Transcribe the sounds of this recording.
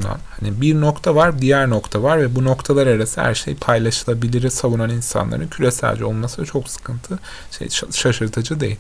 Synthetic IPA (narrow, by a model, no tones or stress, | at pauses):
na̰nhanibiɾnokt̪ʰavaɾd̪ijæɾno̞kt̪ʰavaɾvɛbuno̞kt̪ʰalˠaɾaɾasihæ̰ɾʃḛjpʰajlˠaʃɯlˠabilʲiɾisavunaninsa̰nlˠa̰ɾɯncʰylesæ̰lʲd͡ʒɛo̞lˠmasɯd̪t͡ʃʰo̞ksɯ̥kʰɯnt̪ʰɯ | ʃḛjʃaʃɯɾt̪ʰad͡ʒɯd̪e̞̰jilʲ